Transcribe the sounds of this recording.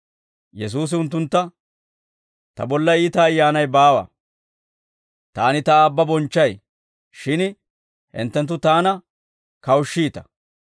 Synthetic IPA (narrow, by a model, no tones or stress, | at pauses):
jɛs̬uːs̬ɪʊnt̪ːʊnt̪ːɐ | t̪ɐ̰bɔlːɐiːt̪ɐːjːaːnɐjbaːwɐ̰ | t̪aːnɪt̪ɐːbːɐbɔnt͡ʃːɐj | ʃɪn | hɪ̰nt̪ːɛnt̪̬ːʊt̪aːnɐ | kɐwʃːiːt̪ɐ̥